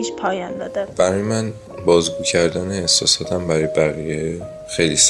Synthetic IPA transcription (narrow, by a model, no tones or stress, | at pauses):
iʃpʰɒːjɒnd̪ɒ̰ːd̪æb̥æɾɒjemæn | bɒːzɡuːcʰæɾd̪æːneːhsɒ̰ːsɒːt̪ʰæmbæɾɒjebæɣije | xe̞jlis